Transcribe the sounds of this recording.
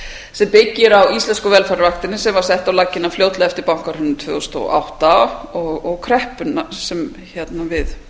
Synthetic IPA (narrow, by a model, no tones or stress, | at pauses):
sɛmpɪcːɪɾawist̪lɛnskʏvɛlfaɾvaxkt̪ɪnːɪsɛmvaɾ̥sɛht̪awlacɪnːafljoːwt̪laɛft̪ɪɾpawŋ̥kaɾhʏnːt̪ʰvœ̰ːɣʏst̪o̰ʔa̰wht̪aɔɣɔɣkʰɾɛhpʏnːasɛm | çɛt̪navɪð